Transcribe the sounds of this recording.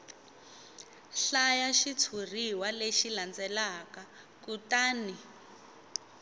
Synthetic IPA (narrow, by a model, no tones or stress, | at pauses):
ɬajaʃit͡sʰur̤iwaleʃiland͡zɛlaka | kutaːni